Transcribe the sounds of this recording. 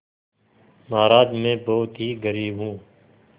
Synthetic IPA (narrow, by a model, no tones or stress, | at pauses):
maːɾaːd̪mẽːboːt̪ɦiːɡəɾiːbɦũː